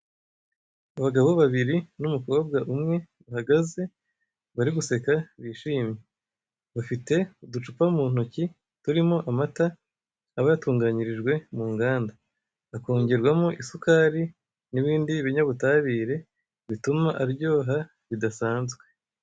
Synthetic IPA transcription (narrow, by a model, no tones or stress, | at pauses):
aβaɡaβo̞βaβiɾinumukob̚ɡaʔumŋe̞ | βahaɡaze̞ | βaɾiɡuse̞kaβiːʃiːmje | βafite̞udut͡ʃupamuːn̥oci | tuɾimo̞ʔamataː | βajatuːŋɡaɲiɾiʒɡwe̞muːŋɡaːnda | βakoːɲɟiɾɡwamoʔisukaɾi | niβiːndiβiɲaβutaːβiːɾe̞ | βitumaʔaɾβjo̞ːɦa | βidasaːnzɡwe̞̥